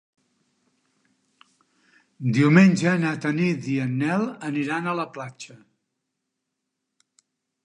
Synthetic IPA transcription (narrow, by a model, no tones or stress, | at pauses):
d̪iuwmenʲd͡ʒənat̪ənid̪iənːɛlˠəniɾanələplat͡ʃə